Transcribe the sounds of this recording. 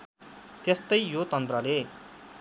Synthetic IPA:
t̪est̪ʌjjot̪ʌnt̪rʌle

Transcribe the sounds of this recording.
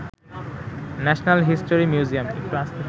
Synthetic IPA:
nɛʃnalɦisʈoɾimjuziamekʈuast̪ʰe

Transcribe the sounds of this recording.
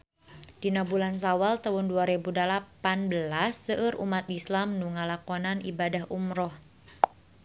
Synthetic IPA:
d̥inabulans̬awalt̪aʊnduaɾebudalapanbəlasːəʔɨɾʔṵmat̪islamnuŋalakɔnanibadaɦʔumɾɔh

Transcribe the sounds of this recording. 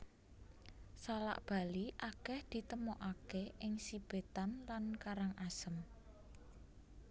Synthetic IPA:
sala̰ʔb̥a̤liʔakɛhd̪̥i̤t̪əmoʔakeʔɪŋsib̥e̤t̪anlankaɾaŋʔasəm

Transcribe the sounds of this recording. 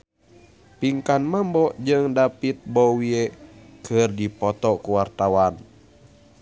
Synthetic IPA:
piŋkanmambɔʔd͡ʒɨŋdapit̪̚bɔwiekʰɨrdipɔt̪ɔkuwart̪awan

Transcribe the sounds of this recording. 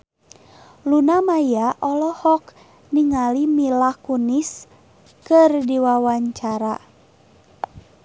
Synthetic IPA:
lunamajaʔɔlɔhɔk | niŋalimilakunis | kɨrdiwawaɲt͡ʃaɾa

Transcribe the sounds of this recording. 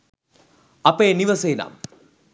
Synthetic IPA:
ɐpeːniʋɐseːna̰ːm

